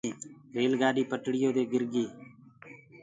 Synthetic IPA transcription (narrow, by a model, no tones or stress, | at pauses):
ɾeːlɡaːɗiːpəʈɽɪjoːd̪eːɡɪɾɡiː